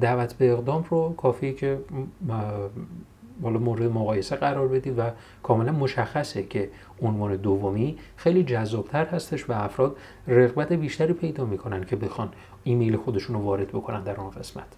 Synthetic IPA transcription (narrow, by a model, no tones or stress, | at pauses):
d̪ævæt̪ʰbe̞ːɣd̪ɒːmrokʰɒːfiːicʰe̞ | hɒːlɒːmoːɾed̪emoɣɒːje̞seɣæɾɒːɾbe̞d̪iːd̪væ | kʰɒːme̞lænmo̞ʃæxːæsecʰe̞ | onvɒːne̞d̪ovːomiːxejliːd͡ʒæzːɒːb̥t̪ʰæɾhæst̪e̞ʃvæːfɾɒːd̪ | re̞ɣbæt̪ʰe̞biːʃt̪æɾiːpʰe̞jd̪ɒːmiːkʰo̞næncʰe̞be̞xɒn | iːmejle̞xo̞d̪eʃunɾovɒːɾe̞d̪̚bo̞kʰo̞nænd̪æɾunɡe̞smæ̰t̪ʰ